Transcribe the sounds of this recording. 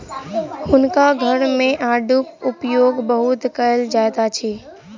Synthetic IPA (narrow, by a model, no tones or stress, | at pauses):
hʊnkaɡʱɐɾmẽʔaːɖʊkʊpjoːɡbəɦʊt̪kɐəld͡ʒaːet̪at͡ʃʰiː